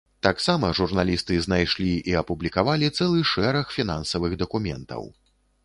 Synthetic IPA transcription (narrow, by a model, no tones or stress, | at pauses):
t̪aksamɐʐurnalʲist̪ɨznajʂlʲiiɐpublʲikavalʲit̪sɛlˠɨʂɛɾɐxfʲinansɐvɨɣd̪ɐkumʲɛ̰nt̪ɐ̰w